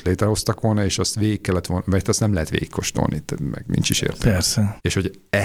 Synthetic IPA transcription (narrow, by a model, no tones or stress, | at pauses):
leːt̪ɾɛɦo̞st̪ɒkʋo̞lnɒeːʃɒst̪ʋeːɡikːɛlːɛt̪ʋolnmɛt̪ːɛst̪nɛmlɛɦɛt̪ʋḛːɡikko̞ʃt̪o̰lnit̪ɛmɛ̰ɡmḭnt͡ʃiʃḛːrt̪pɛɾsɛeːʃho̞ɟ | ɛ